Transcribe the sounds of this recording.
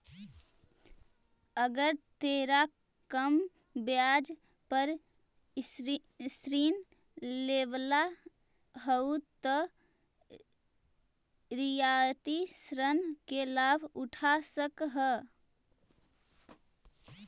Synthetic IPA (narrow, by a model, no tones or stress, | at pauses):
əɡəɾt̪eɾa | kəm | bjad͡ʒ | pəɾ | sɾin | leʋla | ɦəut̪ɔ | ɾijat̪isɾənkelabʱuʈʰasəkɦə